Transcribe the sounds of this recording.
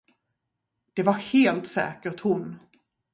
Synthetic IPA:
d̪̥ɛvaɾheːlt̪sɛ̰ːkəʈ̪hʊn

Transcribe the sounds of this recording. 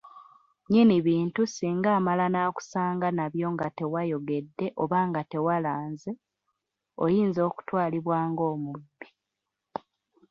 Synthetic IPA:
ɲiniβiːntusiːŋɡaːmalanaːku̥saːŋɡanaβjo̞ŋɡate̞wajo̞ɡe̞dːe̞ʔoβaːŋɡate̞walaːnze | o̰jiːnzo̞ːku̥twaːliβwaːŋɡo̞ːmubːi

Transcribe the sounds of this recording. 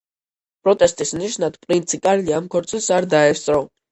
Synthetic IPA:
pʼɾɔt̪ʼɛst̪ʼismniʃnad̪̥pʼɾint̪sʰikʼaliamkʰɔɾt̪sʰʼisaɾd̪aɛst̪sʼɾɔ

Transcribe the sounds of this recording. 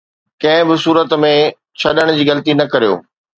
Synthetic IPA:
kɐ̃ɦɪ̃bɪsuːɾət̪mẽ | t͡ɕʰɐɗəɽ̃d͡ʑiːɣɐlət̪inɐkɐɾijo̰ː

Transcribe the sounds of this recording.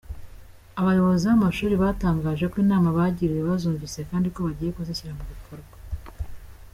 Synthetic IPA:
aβajo̞βo̞ziβamaʃuːɾiβataːŋɡaːʒekwiːnaːmaβaɟiɾiβiβazuːɱvise̞kaːndiko̞βaɟiːje̞kuziçiɾamuβikʰoɾɡwa

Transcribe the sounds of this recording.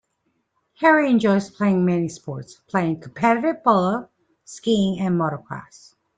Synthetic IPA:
hɛɹiɨ̃nd͡ʒɔʊz̥pʰl̥eɪɪ̃ŋmɛnispɔɹtspʰl̥eɪɪ̃ŋkʰəm̩pʰɛɾɨɾɪvbɔlˠə | skĩŋɨ̃nmɔɾəkʰl̥æ̰s

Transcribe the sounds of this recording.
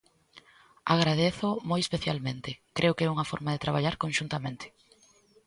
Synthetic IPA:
aɣɾaðeθʊmojespeθjalmẽnt̪ɪkɾʔeʊkɪɛuŋɐfɔ̰ɾmaðet̪ɾaβ̞aʎaɾkõnʃunt̪amẽnt̪ʰɪ̥

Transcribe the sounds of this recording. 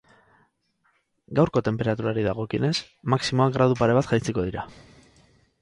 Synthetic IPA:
ɡawɾko̞t̪e̞mpe̞ɾat̪uɾaɾiðaɣ̞o̞kine̞s | maksimo̞aɡɾaðupaɾe̞β̞at̪ʝajt͡siko̞ðiɾa

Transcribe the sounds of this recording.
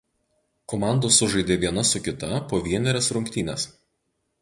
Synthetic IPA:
komɑˑnd̪oːsʊʒɐɪd̪ʲeːʋʲiɛnɐsʊkʲɪt̪ɐpoːʋʲiɛnʲɛɾʲɛsɾʊŋʲkʲt̪ʲiːnʲɛs

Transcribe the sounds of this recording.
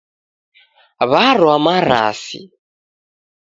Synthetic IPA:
βaɾwamaɾa̰sḭ

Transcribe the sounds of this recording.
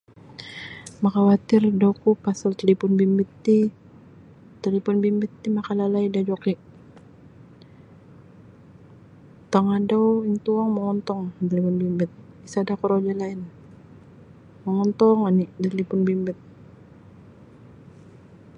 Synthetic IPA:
makawat̪ɪrdokupasalt̪əlipʊnbimbɪt̪ːi | t̪əlipʊnbimbɪt̪ːimakalalaidad͡ʒokiʔ | t̪aŋadɔwiŋt̪uaŋməŋɔnt̪ɔŋt̪əlipʊnbimbɪt̪̚ | isadakuɾod͡ʒalaɪn | məŋɔnt̪ɔŋanidat̪əlipʊnbimbɪt̪̚

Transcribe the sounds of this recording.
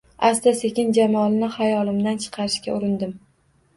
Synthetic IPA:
asd̪ase̞kʲɪnd͡ʒamɒlˠɪnɪhajɒlˠɪmd̪ant͡ʃʰɨ̥qʰɑɾɪʃkʲa̰ʊɾɪnd̪ɪm

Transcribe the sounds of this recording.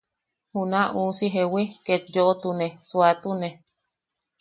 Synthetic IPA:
hunãʔusiɦewiket̪̚joʔot̪unesuat̪une

